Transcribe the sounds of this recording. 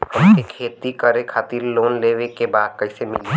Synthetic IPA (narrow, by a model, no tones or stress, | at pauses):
ɦɐmsekʰeːt̪ikəɾekʰaːt̪iɾloːnleːʋekebaːd̪̚kɐɦɪsemɪli